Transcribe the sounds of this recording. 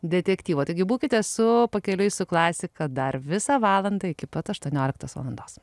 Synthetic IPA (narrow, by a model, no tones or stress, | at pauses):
d̪ʲɛt̪ʲɛkt̪ʲiːʋoːt̪ɐɪɡʲɪbuːkʲɪt̪ʲɛsʊpɐkʲɛlʲʊɪsʊklˠɑːsʲɪkɐd̪ɐrʋʲɪsɑːʋɑːlˠɐnd̪ɐɪkʲɪpɐt̪ɐʃt̪uɔnʲoːlʲɪk̚t̪oːsʋɐ̰lˠɐnd̪oːs